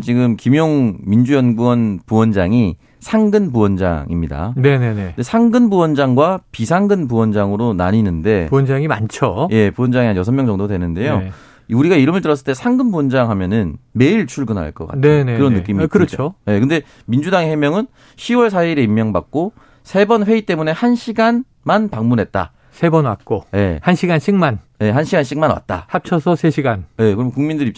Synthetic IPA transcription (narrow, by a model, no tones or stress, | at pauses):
t͡ɕiɡɯmkimjoŋmind͡ʑujʌnɡuwʌnpuwʌnd͡ʑaŋi | sʰaŋɡɯnpuwʌnd͡ʑa̰ŋʔḭmɲida̰ne̞nenedesʰaŋɡɯnbuwʌnd͡ʑaŋɡwapisʰaŋɡɯnpuwʌnd͡ʑaŋɯɾona̰ɲinɯnde̞uʌnd͡ʑaŋimant͡ɕʰoje̞puwʌnd͡ʑaŋiɦanjʌs̬ʰʌmjʌŋd͡ʑʌŋdodwenɯnde̞jo | iuɾiɡaiɾɯmɯɭt̬͈ɯɾʌs̬͈ɯɭt͈e̞sʰaŋɡɯnbuwʌnd͡ʑaŋɦamjʌnɯnme̞iɭt͡ɕʰuɭɡɯnɦa̰ɭk͈ʌk͈a̰tnenekɯɾʌnːɯk͈imikɯɾʌt͡ɕʰoje̞kɯnde̞ | mind͡ʑudaŋehe̞mjʌŋɯn | ɕʰiwʌɭs̬ʰaiɾe̞imːjʌŋba̰k̚k͈o | sʰe̞bʌnɸwe̞it͈e̞mune̞hanɕʰiɡan | manpaŋmunɦe̞t̚t͈a̰ | sʰe̞bʌnwat̚k͈oje̞hanɕʰiɡanɕʰiŋman | je̞ɦanɕʰiɡanɕʰiŋmanwa̰t̚t͈a̰hap̚t͡ɕʰʌsʰʌsʰe̞ɕʰiɡanje̞kɯɾʌmkuŋmindɯɾip̚t͡ɕ